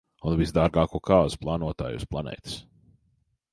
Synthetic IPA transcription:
unvisd̪aːɾɡaːkuɔkaːzu̥plˠaːnuɔt̪a̰ːjṵsplˠanɛ̰ːjt̪i̥s

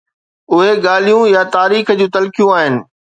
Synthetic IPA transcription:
ʊɦeɠaːl̤ijũjat̪aːɾiːxd͡ʑũːt̪ɐlkijũaːɦɪnɪ̆

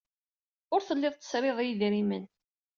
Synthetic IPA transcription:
ʊɾθəlːɪðˤt̪ːə̥sɾeðˤjiðɾimən

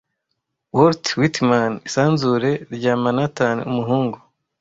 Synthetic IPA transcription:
woɾtwitmanisaːnzuɾe̞ɾɟaːmanatanḛumuɦuːŋɡu

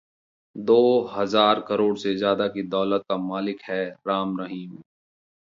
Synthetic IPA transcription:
d̪oːɦɐzaːɾkɐɾoːɽsezjaːd̪akid̪ɔːlət̪̚kamaːlɪkhɛɾaːmɾɐɦiːm

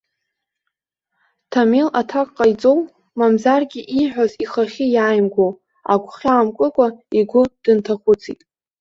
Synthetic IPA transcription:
tʰamelatʰakʼqʼːajt͡sʼow | mamzarɡʲɪʔiħʷᶣaziχaχʲɪjaːjmɡʷo | a̰kʷʰʼχʲaːmkʼɨkʷʼaiɡʷʊd̥ɨntʰaχʷʊt͡sʰḭtʼ

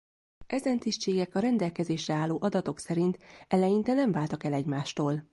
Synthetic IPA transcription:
ɛzɛnt̪iʃt͡ʃeːɡɛkɒɾɛnd̪ɛlkɛzeːʃrɛaːlːoːʔɒd̪ɒt̪o̞ksɛɾint̪ɛlɛjint̪ɛnɛɱvaːlt̪ɒkɛlɛɟmaːʃt̪oːl

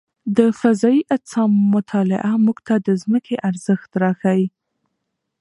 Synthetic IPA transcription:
d̪əfazɑiʔasɑmːʊt̪ʰɑlɪ̰ʔamuɡt̪ad̪əzməkʰeʔaɾzəxt̪ɾɑxawi

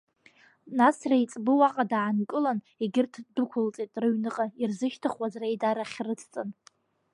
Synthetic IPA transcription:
nasrajt͡sʼbɨwaqʼadaʕankʼɨlan | iɡʲɪrtʰdukʷʰʊlt͡sʼitʼrɨɥnɨqʼairzɨʃtʰaχwazrejdaɾaχʲrɨt͡sʰt͡sʼɨn

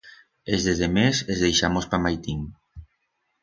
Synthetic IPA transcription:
ezðeðemezezðejʃamospamajt̪im

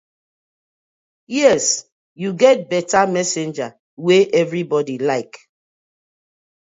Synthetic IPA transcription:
jɛs | juɡɛt̚bɛtamɛsẽnd͡ʒa | weʔɛvɹibɔdilaɪk

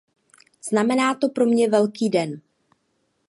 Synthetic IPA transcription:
z̥namɛnaːt̪o̞pɾo̞mɲɛvɛlkiːdɛn

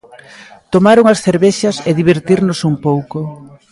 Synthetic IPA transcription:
t̪omaɾuŋɐsθeɾβeʃɐseðiβ̞eɾt̪iɾnosumpowko

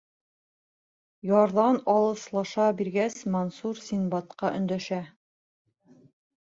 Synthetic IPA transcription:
jɒɾðɑnɒlˠɤ̆slˠɑʃɑbiɾɡæsmonsuɾsʲinbɑt̪qɑʔɵ̰̆nd̪æʃæ

